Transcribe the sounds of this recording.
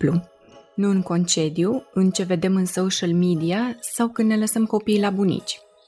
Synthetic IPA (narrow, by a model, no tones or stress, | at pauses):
plu | nuɨŋko̞nt͡ʃe̞d̪juɨnt͡ʃe̞ve̞d̪e̞mɨnso̞ʃəlmid̪iasawkɨnne̞ləsəmko̞pijlabunḭt͡ʃʲ